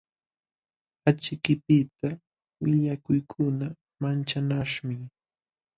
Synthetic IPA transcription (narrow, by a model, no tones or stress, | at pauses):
at͡ʃɪkɪpɪt̪a | wɪʎakʊjkʰʊna | mant͡ʃanaʂmɪ